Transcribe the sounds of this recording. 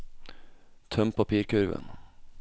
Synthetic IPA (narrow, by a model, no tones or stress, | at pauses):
t̪ʰœmpʰɑpiːɾkʉɾʋə̰n